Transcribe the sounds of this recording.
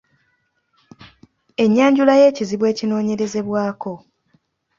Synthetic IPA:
e̞ɲːaːɲɟulaje̞ːciziβwe̞ːcino̞ːɲe̞ɾe̞ze̞βwaːko̞

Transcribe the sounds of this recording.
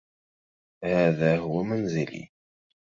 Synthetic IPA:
hæðæɦʊwæmænzilḭ

